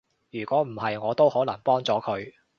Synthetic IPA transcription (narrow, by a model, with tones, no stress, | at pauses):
jyː˨˩kʷɔː˨˥m̩˨˩hɐ˨jŋɔː˨˧t̪o˥whɔː˨˥lɐ˨˩ŋpɔː˥ŋt͡sɔː˨˥kʰɵ˨˧ɥ